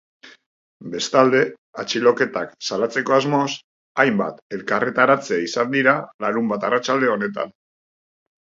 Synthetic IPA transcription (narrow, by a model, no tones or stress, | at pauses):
be̞st̪ald̪e̞ | at͡ʃilo̞ke̞t̪aksalat͡se̞ko̞azmo̞s | ajmba̰t̪e̞lkaret̪aɾat͡seaisand̪iɾalaɾumbat̪arat͡ʃald̪e̞o̞ne̞t̪a̰n